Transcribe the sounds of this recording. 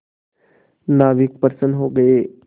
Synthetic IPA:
naːʋɪk̚pəɾsənɦoːɡɐeː

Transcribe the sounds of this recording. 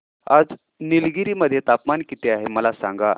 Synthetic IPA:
a̰d͡z | nilɡiɾiːməd̪ʱːjet̪apmankit̪eaɦeməlasã̰ŋɡa

